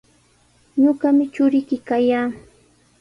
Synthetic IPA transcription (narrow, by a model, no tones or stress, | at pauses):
ɲoɢɑmɪt͡ʃʊɾɪkɪkajaː